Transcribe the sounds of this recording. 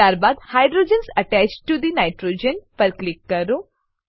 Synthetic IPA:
aːɾbaːd̪hajɖɾoːd͡ʒənsɐʈæt͡ʃʈːud̪inaɪʈɾoːd͡ʒənpɐɾklɪkːɐɾu

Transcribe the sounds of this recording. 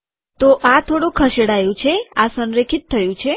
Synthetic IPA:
t̪oʔat̪ʰoɽũkʰəʃeɽajũt͡ʃʰeasənɾekʰit̪ʰːəjũt͡ʃʰe

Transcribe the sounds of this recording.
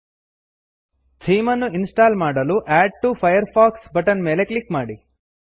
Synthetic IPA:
t͡ʃʰiːmɐnːuinsʈaːlmaːɽɐluʔaːɖ̚ʈupʰɐjɐɾpʰaːksbɐʈɐnmeːleklikmaːɽi

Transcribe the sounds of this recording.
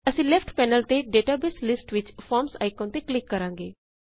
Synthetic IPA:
əsĩːlɛpʰʈpɛːnəlt̪eɖeːʈaːbɪslɪsʈʋɪt͡ʃfʰɔːɾmsa̰ːɪkõːnt̪eklɪkːəɾãːŋɡeː

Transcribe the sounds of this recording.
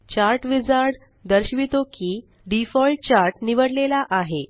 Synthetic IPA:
t͡ɕaɾʈʋid͡zaɾɽ | d̪əɾɕʋit̪okiː | ɖifɔlʈ̚t͡ɕaɾʈniʋəɽlelaʔaɦe

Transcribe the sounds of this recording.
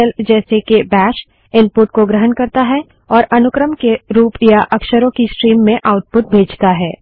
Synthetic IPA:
ɛld͡ʒɛːsekebɛːʃ | ɪnpʊʈ̚koɡɾəɦənkɐɾt̪aɦɛ | ɔːɾɐnʊkɾəmkeɾuːpjaʔɐkʃəɾõkisʈɾiːmːẽʔaːʊʈ̚pʊt̪̚bʱeːd͡ʒt̪aɦɛː

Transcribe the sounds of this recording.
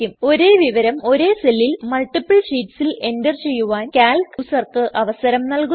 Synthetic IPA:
umo̞ɾe̞ːʋiʋɐɾɐmo̞ɾe̞ːselːilmɐɭʈːipːɐɭʂiːʈsile̞ndɐrt͡ɕe̞jːuʋaːnkaːlkusɐrkɨʔɐʋɐsɐɾɐmnɐlku

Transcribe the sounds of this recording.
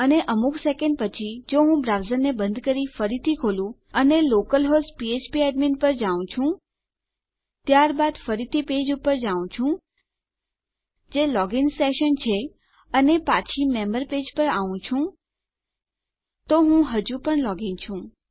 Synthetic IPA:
əneʔəmuksekə̃ɳɖpət͡ʃʰid͡ʒoɦũbɾaʋzəɾnebənd̪kəɾifəɾit̪ʰikʰolũ | ənelokəlɦospiet͡ʃpieɖminpəɾd͡ʒaʋũt͡ʃʰũ | t̪jaɾbad̪fəɾit̪ʰiped͡ʒupəɾd͡ʒaũt͡ʃʰũ | d͡ʒelɔɡɪŋseʃənt͡ʃʰe | ənepat͡ʃʰimɛməɾped͡ʒpəɾaʋũt͡ʃʰũ | t̪oɦũɦəd͡ʒũpəɳlɔɡɪŋt͡ʃʰũ

